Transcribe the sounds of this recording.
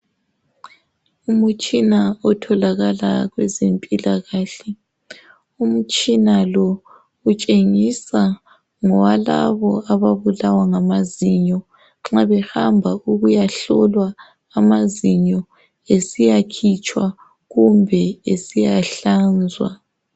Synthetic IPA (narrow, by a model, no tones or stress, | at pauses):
umut͡ʃʼinaɔtʰɔlaɣala̰ɣwɛzempʼilaɣaːɬɛ | um̩t͡ʃʼinalɔ | ut͡ʃʼeŋisa | ŋɔwala̰βɔaβaβulawaŋamaziɲɔ | ŋ͡ǁaβɛhambʱauɣujaɬɔlwaː | maziɲɔ | esijakʰit͡ʃʼwa | ɣumbʱɛesijaɬand͡zʱwa̰